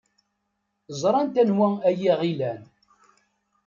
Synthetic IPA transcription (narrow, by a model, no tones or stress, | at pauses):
zˤɾˤɑnt̪ænwææjiʁilæn